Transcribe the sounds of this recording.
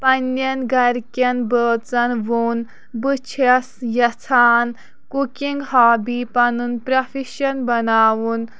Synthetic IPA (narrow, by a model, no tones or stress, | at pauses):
pɐnːɐnɡɐɾkʲɐnbəːt͡sɐnʋun | bɨt͡ʃʰɐsjɐt͡sʰaːn | kukiŋɡɦaːbiːpɐnunpɾɐfʰiʃɐnbɐnaːʋun